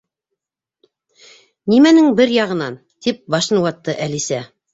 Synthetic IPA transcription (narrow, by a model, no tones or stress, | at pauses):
nimænɘŋbɘɾjɑʁɤ̆nɑn | t̪ip̚bɑʃɤ̆nɤwɑt̪ːɤʔælisæ